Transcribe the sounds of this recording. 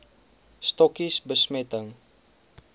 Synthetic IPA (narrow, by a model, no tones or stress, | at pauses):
stɔkisbəsmɛtəŋ